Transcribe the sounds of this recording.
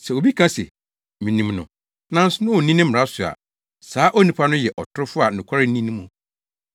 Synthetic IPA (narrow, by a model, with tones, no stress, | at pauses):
sɛ˨o˨bi˦kʰã˦sɛ̰˨ | mĩ˨nĩ˨mnʊ̰̃˨ | nã˦n̩˦sʊ˦nʊ̃˦wo˨nĩ˦nɪ̃˦m˨ɾa˦sʊ˨a̰˨ | saː˨˦ʔo˦nĩ˨pʰa˦nʊ̃˦jɛ˨ʔɔ˨tʰʊ˦ɾʊ˦fʊ˦a˨nʊ̃˨kʰa˦ɾɪ˦nĩ˦nĩ˦mʊ̃˨